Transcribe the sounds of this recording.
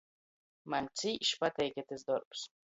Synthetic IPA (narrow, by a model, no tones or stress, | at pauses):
manʲt͡sʲiːʃpat̪ɛjkʲɛt̪ʲɪsd̪ɔɾps